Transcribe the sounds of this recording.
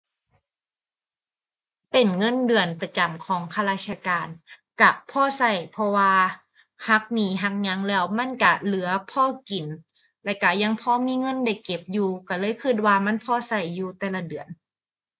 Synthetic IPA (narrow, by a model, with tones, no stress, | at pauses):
pe˨˩nŋɤ˧˥˨ndɯ˨˩ənpa˧t͡ɕa˨˩mkʰɔː˨˦ŋkʰa˧laː˧˥˩t͡ɕʰa˧kaː˨n | ka˧˩pʰɔː˧˥˨sa˧˩jpʰɔ˧waː˧ | ha˦˥k̚niː˧˩ɦa˧˦˥k̚ɲa˧˥ŋlɛː˧˥˩wma˧˥˨nka˧˩lɯ˩˦ɐpʰɔː˧˥˨ki˨˩n | lɛ˧˩ka˧˩ja˧˥ŋpʰɔː˧˥˨miː˧˥˨ŋɤ˧˥˨nda˧˩jke˨˩p̚juː˧ka˧˩lɤː˧˥˨jkʰɯ˧˩t̪̚waː˧ma˧˥˨npʰɔː˧˥˩sa˧˩jːuː˧t̪ɛː˧la˧dɯ˨˩ən